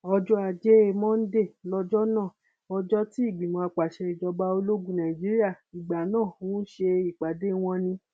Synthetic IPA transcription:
ɔ˧d͡ʒɔ˦a˨d͡ʒe˦e˧mɔ̃˦n̩˦de˦˨lɔ˧d͡ʒɔ˦nãː˦˨ | ɔ˧d͡ʒɔ˦ti˦i˦˨ɡ͡bĩ˨mɔ̃˨a˧k͡pa˨ʃɛ˧i˨d͡ʒɔ˧ba˧o˧lo˦ɡũ˦˨nã˨i˨d͡ʒi˦ɾi˦a˦˨i˨ɡ͡ba˨nãː˦˨wɔ̃˦ʃe˧i˨k͡pa˨de˦w̃ɔ̃˧nĩ˧

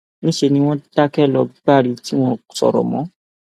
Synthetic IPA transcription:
nĩ˦ʃe˧nĩ˧w̃ɔ̃˦d̥a˦kɛ˦˨lɔ˧˦ɡ͡ba˦˨ɾi˨˧ti˦w̃ɔ̃˦sɔ̰˨ɾɔ̰˨mɔ̃˨˦

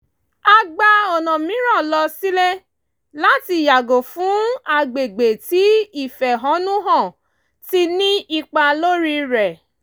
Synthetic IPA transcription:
a˧ɡ͡ba˧ɔ˨nɔ̃˨mĩ˨˦ɾ̃ã˦˨lɔ˧si˦le˦ | la˦ti˧˨ja˨ɡo˨fũ˨˦a˧ɡ͡be˨ɡ͡be˨ti˨˦i˦˨fɛ˨ɦɔ̃˨˦nũ˦ɦɔ̃˦˨ | ti˦nĩ˦ʔi˧k͡pa˧lo˦ɾi˦˧ɾɛ˨

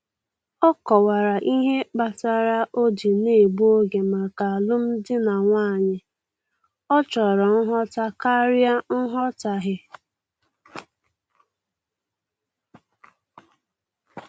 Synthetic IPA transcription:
ɔ˦kɔ˨wa˨ɾa˨ʔi˦ɦe˦k͡pa˨ta˦˨ɾa˦ʔo˦di˨ne˦e˨bu˦o˦ɡe˨ma˨ka˨a˨lʊ˦m̩˦dɪ˦na˨ŋʷaː˦˨ɲɪ˨ | ɔ˦t͡ʃɔ˨ɾɔ˨n̩˦ɦɔ˦ta˦ka˦ɾja˦n̩˦ɦɔ˦ta˨ɦɪ˦

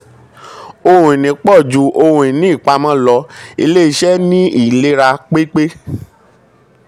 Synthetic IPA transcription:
o˧hũ˨i˨nĩ˨˦k͡pɔ˦˨d͡ʒu˨ʔo˧hũ˨ĩ˨nĩ˦i˦˨k͡pa˧mã˦lɔ˧ḭ˧le˦i˦˧ʃɛ˦nĩ˦i˦˨le˦ɾa˧k͡pe˦k͡pe˦

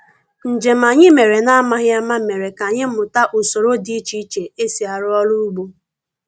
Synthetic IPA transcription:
n̩˨d͡ʒe˨m̩a˨ɲɪ˦me˨ɾe˨na˦a˦ma˦ɣja˦ma˦me˨ɾe˨ka˨ɲɪ˦m̩˦ʊ˨ta˦ʔu˨so˨ɾo˦di˦t͡ʃi˦i˦t͡ʃe˨e˦si˨a˨ɾʊ˦ɔ˦lu˦u˦ɡ͡bu˦

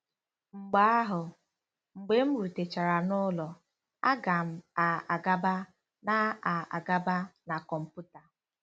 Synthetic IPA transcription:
ŋ͡m̩˨ɡ͡ba˦a˦ɦʊ˨ | ŋ͡m̩˨ɡ͡be˨m̩˦ɾu˨te˨t͡ʃa˨ɾa˨nʊ˦lɔ˨ | a˦ɡa˨m̩˦a˨a˨ɡa˦ba˦ | na˦a˨a̰˨ɡa˦ba˦na˨kɔ˨m̩˨pu˦ta˨

